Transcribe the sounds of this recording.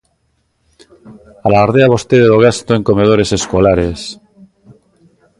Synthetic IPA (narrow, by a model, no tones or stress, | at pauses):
alaaɾðeaβost̪eðeoɣast̪oeŋkomeð̞oɾe̞se̞skolaɾes